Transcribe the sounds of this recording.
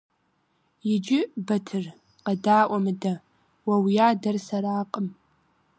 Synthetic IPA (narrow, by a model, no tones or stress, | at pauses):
jɪd͡ʒɪbɐtʰɨr | qɐdaːʔʷɐmɨdɐ | wɐwijaːdɐrsɐɾaːqʼəm